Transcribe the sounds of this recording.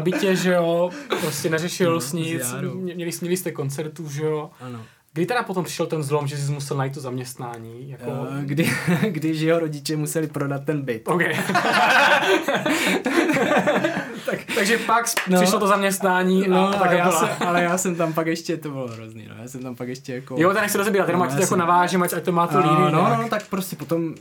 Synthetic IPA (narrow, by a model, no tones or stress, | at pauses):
bɪcɛʒɛopɾoscɛnɛrɛʃɪlsɲɪt͡samɲɛmɲɛlɪsmɲɛlɪst̪ɛkont͡sɛɾt̪uːʒɛoano | ɡdɪt̪ɛɾapot̪ompr̥ɪ̥ʃɛlt̪ɛnzlomʒɛs̬ɪs̬musɛlnajit̪t̪ːozamɲɛst̪naːɲiːjakoɡdɪɡdɪʃjɛɦoɾoɟɪt͡ʃɛmusɛlɪpɾodat̪̚ːɛnbɪt̪owkɛj | t̪akt̪aɡʒɛpaksnsoɪlot̪ozamɲɛst̪naːɲiːnoakɛjaːaɛalɛjaːsɛmt̪ampakɛʃcɛt̪obɪloɦɾoznḭːno̰jaːsɛmt̪ampakɛʃcʲɛjakojot̪ɛnɛçsɛdolzɛbiːɾat̪jɛdomacsjakonavaːʒɪmacac̚t̪omaːt̪oliːbɪnononot̪akpɾoscɛpot̪o̞m